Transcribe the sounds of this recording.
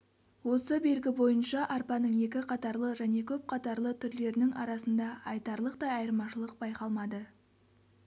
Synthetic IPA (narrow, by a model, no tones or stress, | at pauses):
wo̞səbe̞lɡʲɪbo̞jənʃɑʔɑɾpɑnəɴe̞kʲɪqʰɑt̪ɑɾlˠəʒæne̞kʲʰɵp̚qʰɑt̪ɑɾlˠət̪ʰʏɾle̞ɾɪnɪŋɑ̰ɾɑsənd̪ɑɑjt̪ɑɾlˠəqt̪ɑɑjəɾmɑʃəlˠəq̚bɑjqɑlˠmɑd̪ə